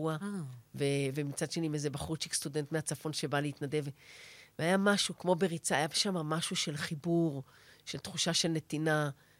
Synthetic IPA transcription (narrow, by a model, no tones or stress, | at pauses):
uavevemit͡sad̪ʃe̞nimezebaχut͡ʃikst̪udent̪meat͡safo̞nʃe̞baleit̪nade̞vveajamaʃukmo̞beʁit͡saːjabʃamamaʃuʃe̞lχibuʁ | ʃe̞lt̪χuʃaʃe̞lne̞t̪ina